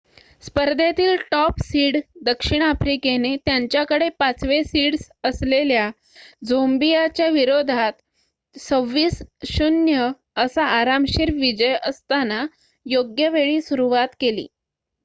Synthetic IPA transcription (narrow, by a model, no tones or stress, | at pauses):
spəɾd̪ʱat̪iːlʈɔpsiːɽd̪əkʂiɳ̃afɾikenet̪jaɲt͡ɕjakəɽepat͡sʋesiːɽs | əslelja | d͡zombijat͡ɕjaʋiɾod̪ʱat̪ | səʋːiːsɕunjə | əsaːɾamɕiɾʋid͡ʑəjəst̪ana | joɡjəʋeɭiːsuɾuʋat̪kelḭː